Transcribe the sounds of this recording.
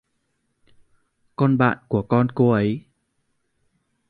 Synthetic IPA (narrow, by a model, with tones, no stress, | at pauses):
kɔ˧nɓa̰ː˧˨nku˧˩əkɔ˧nko˧ʔə˨˦j